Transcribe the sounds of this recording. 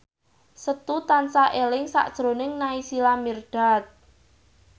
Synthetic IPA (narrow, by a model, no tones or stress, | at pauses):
sət̪ut̪ansaʔelɪŋsa̰ʔd̥ʒ̥ɾo̤nɪŋnaisilamirɖ̥a̤t̪̚